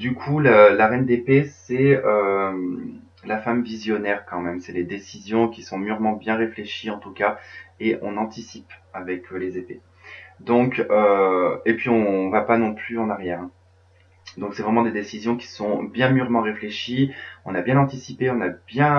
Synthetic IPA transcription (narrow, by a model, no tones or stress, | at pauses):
d̪ykʰuləlaʁɛnd̪epesɛøm | lafamvizjɔnɛʁkɑ̃mɛmsɛled̪esizjɔ̃kʲisɔ̃myʁmɑ̃bjɛ̃ʁefleʃiɑ̃t̪ukaeʔɔ̰̃nɑ̃t̪isipavɛklezepe | d̪ɔ̃køepɥiɔ̃vapanɔ̃plyɑ̃naʁjɛːʁɛ̃ | d̪ɔ̃ksɛvʁɛmɑ̃d̪ed̪esizjɔ̃kʲi̥sɔ̃bjɛ̃myʁmɑ̃ʁefleʃiɔ̰̃nabjɛ̃nɑ̃t̪isipeɔ̃nabjɛ̃